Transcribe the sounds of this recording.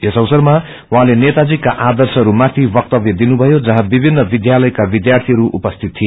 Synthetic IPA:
esʌwsʌrma | wɦãlenet̪ad͡zikaʔad̪ʌrsɦʌɾumat̪ʰibʌk̚t̪ʌbjʌd̪inubʱʌjod͡zʌɦãbibʱinːʌbid̪jalʌjkabid̪jart̪ʰiɦʌɾuʔṵpʌst̪ʰit̪ʰːie

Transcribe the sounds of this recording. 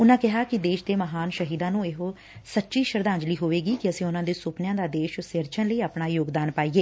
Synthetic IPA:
ʊnãːkɪɦaːkɪd̪eːʃd̪eːməɦaːnʃəɦiːd̪ãːnũːɪɦo | sətːʃiːʃəɾd̪ãːɲd͡ʒliːɦoːʋeːɡiːkɪəsĩːʊnãːd̪eːsʊpnjãːd̪aːd̪eːʃsɪɾt͡ʃʰənləiːaːpɳaːjoːɡd̪aːnpaːiːɡeː

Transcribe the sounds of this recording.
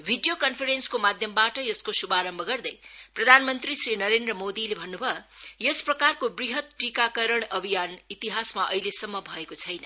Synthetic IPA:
bʱiɖijokʌnpʰʌɾenskomad̪ʱjʌmbaʈʌjʌskosubaɾʌmbʱʌɡʌrd̪ʌjprʌd̪ʱanmʌnt̪risrinʌɾend̪rʌmod̪ilebʱʌnːubʱʌjesprʌkarkobriɦʌt̪ʈrikakʌɾʌɳ̃ʌbʱijanit̪iɦasmaʔʌ̰ilesʌmːʌbʱʌekot͡sʰʌjnʌ

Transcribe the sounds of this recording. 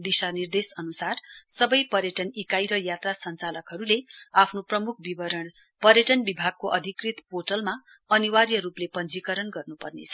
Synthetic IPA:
b̪isanird̪esʌnusarsʌbʌjpʌɾjʌʈʌnikajɾʌjat̪rasʌnt͡salʌkɦʌɾuleapʰnoprʌmukʰbiʌ | pʌrjʌʈʌnbibʱaɡ̚koʔʌd̪ʱikrit̪poʈʌlma | ʌniwaɾjʌɾuplepʌnd͡zikʌɾʌnɡʌrnupʌrnḛt͡sʰʌ

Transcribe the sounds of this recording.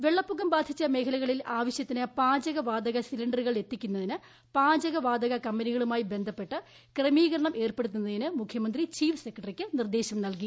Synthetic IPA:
ʋe̞ɭːɐpːuɣɐmbaːd̪ʱit͡ɕːɐme̞ːkʰɐlɐɣɐɭilaːʋɐɕjɐt̪ːinɨpaːd͡ʑɐɣɐʋaːd̪ɐɣɐsilɐɳɖɐrɨɣɐɭe̞t̪ːikʲːunːɐðinɨ | paːd͡ʑɐɣɐʋaːd̪ɐɣɐkɐmbɐniɣɐɭumaːjibe̞nd̪ʱɐpːe̞ʈːɨ | kremiːɣɐɾɐɳɐmʔe̞ːrpe̞ɽut̪ːunːɐðinɨmukʰjɐmɐnd̪rit͡ɕiːfɨse̞kːɐʈɐrikʲːɨnird̪e̞ːɕɐmnɐlki

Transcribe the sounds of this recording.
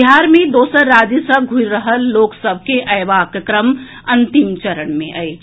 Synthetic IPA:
iɦaɾmẽd̪oːsəɾːaːd͡ʒisəɡʱuɾəɦəlːoːksəbʱkeʔəjʋaːkkɾəm | ənt̪imt͡ʃəɾəɳmẽʔəj

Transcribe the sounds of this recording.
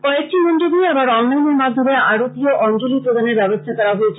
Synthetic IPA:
kɔek̚ʈimonʈobiɛbaɾɔnlajneɾmad͡ʑd̪ʱomeaɾot̪ioʔɔnd͡ʑolipɾod̪aneɾbɛbost̪ʰakɛɾaɦoet͡ɕʰ

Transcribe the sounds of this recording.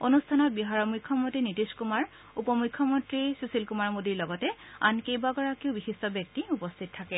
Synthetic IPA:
onustʰanɔt̚biɦaɹɔmukʰːjɔmontɹinitiskumaɹ | upɔmujkʰːjɔmɔntɹisusilkumaɹmodiɹlɔɡɔtɛa̰nkejbaɡɔɹakiʊbixistɔbjɔk̚tiupɔstʰittʰakɛ

